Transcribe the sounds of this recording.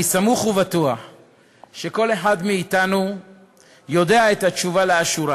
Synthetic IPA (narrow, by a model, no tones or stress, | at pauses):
isamuχuvatua | ʃe̞ko̞le̞ħadmiːtanu | jo̞de̞aetat͡ʃuvaleaʃuɾa